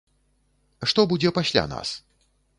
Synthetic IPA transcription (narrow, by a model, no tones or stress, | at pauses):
ʂt̪ɔbud͡zʲɛpasʲlʲa̰na̰s